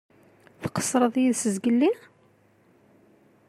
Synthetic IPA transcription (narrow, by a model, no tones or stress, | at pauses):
θqə̥sˤɾˤəðˤjiðsəzɡəlːi